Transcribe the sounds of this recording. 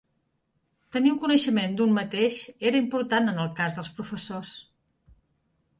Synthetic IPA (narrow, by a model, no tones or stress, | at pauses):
t̪əniuŋkunəʃəmend̪ummət̪eʃeɾəimpuɾt̪anənəlˠkazðəlˠspɾufəsos